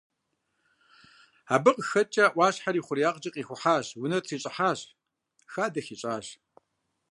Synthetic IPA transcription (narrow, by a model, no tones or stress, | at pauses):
aːbɨqʼxɐt͡ʃʼɐʔʷɑːɕħaɾiːχʷʊrijaːqʼd͡ʒʼɐqʼiːxʷʊħaːɕwʊnɐtʰiːɕʼɪħaːɕ | xaːdɐxiːɕʼaːɕ